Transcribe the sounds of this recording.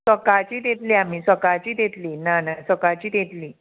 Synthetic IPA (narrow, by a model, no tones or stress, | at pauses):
səkat͡ɕiːd̪et̪liamiːsəkat͡ɕiːd̪et̪liːnanasəkat͡ɕiːd̪et̪liː